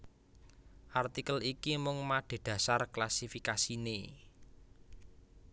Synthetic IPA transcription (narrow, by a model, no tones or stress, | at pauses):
ʔart̪ikəlikimʊŋmaɖ̪̥e̤d̪̥ä̤sarklasifikasine